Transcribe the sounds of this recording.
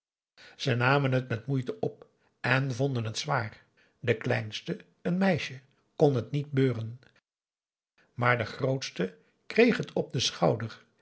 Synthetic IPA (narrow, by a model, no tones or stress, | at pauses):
z̥ənaːmənɦətmɛtmujtəʔɔp̚ | ɛnvɔndənɦətsʋaːr | dəklɛ̰jnstə | ənmɛjʃə | kɔnɦətnit̚bøːrən | maːɹdəχrowtstə | krejχɦətʰɔb̚dəsχɑwdər